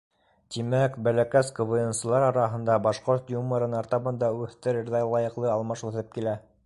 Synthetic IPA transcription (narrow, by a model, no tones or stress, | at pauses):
t̪imækbælækæskŏvojɤ̆nsɤ̆lˠɑɾɑɾɑɦɤ̆nd̪ɑbɑʃqoɾt̪jumːɤ̆ɾɤnɑɾt̪ɑmɤ̆nd̪ɑʉθt̪ɘ̆ɾɘɾðɑlˠɑjɤ̆qlˠɤɑlˠmɑʃuɤθɤp̚kilæ